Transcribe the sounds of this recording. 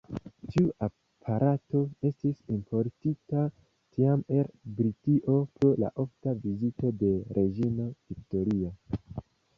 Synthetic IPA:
tiuʔa | pʰaɾʔato̞e̞stisimpʰo̞ɾtita | tʰiame̞lbɾitiʔo̞pola̰ʔo̞ftavizito̞de̞ɾʔe̞d͡ʒino̞hikto̞ɾio

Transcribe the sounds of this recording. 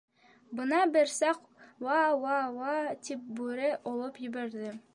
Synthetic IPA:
bɤ̆nɑbɘɾsɑq | wɑwɑwɑt̪ip̚bʉɾɘʔŏlˠɤpjɘ̆bæɾd̪ɘ

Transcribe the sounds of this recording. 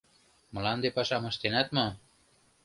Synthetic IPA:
mɤ̆lɑnd̪epɑʃɑmɤ̆ʃt̪enæt̪mɤ̆

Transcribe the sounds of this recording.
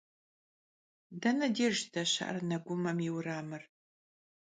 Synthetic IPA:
dɐnɐdeːʒdʰɐɕɐ̰ʔɐ̰rnɐɡʷʊmɐmjɪwɾaːmɨr

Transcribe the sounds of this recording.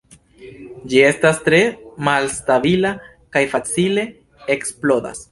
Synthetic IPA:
d͡ʒie̞stastɾe̞malstabila | kajfat͡sile̞ | eksplo̞da̰s

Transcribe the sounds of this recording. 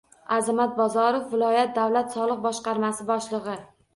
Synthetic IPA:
azamat̪̚bɒzɒɾofvɪlɒjat̪̚d̪awlat̪sɒlˠɨq̚bɒʃqɑɾmasɪbɒʃlˠɨʁɨ

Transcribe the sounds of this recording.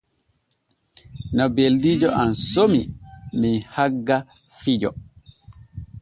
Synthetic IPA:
nɔbeldiːd͡ʒɔʔansomiminhaɡːafid͡ʒɔ

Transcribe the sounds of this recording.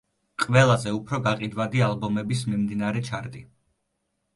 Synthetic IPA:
qʼvɛlˠazɛupʰɾɔɡaqʼid̪wad̪ialˠbɔmɛbis̬mimd̪inaɾɛt͡ʃʰaɾd̪i

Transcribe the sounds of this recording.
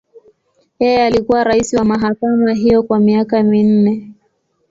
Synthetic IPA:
jɛjɛalikuwaɾaisiwamaɦakamaɦijɔkwamiakamin̩nɛ

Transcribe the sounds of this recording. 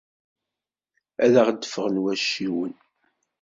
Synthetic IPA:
æðaʁd̪ːəfəʁənwæʃːiwən

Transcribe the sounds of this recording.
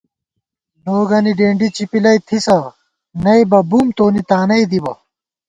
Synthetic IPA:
noːɡɐniɖeːɳɖit͡ɕipilɐjt̪ʰisɐ | nɐjbɐbumt̪oːnit̪aːnɐjd̪ibɐ

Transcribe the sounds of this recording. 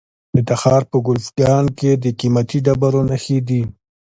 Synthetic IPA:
ət̪axɑːɾpəɡʊlfɡɑnked̪əkimat̪iɖabaɾonaxid̪i

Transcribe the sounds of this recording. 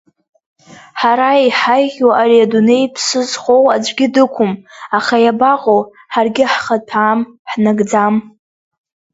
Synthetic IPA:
ħaɾaiħajʁʲwaʔariadune̞jpʰsɨzχowaɡʲɪdɨkʷʰʊmaχajabaqʼow | ħarɡʲɪħχapʰaːmħnaɡd͡zam

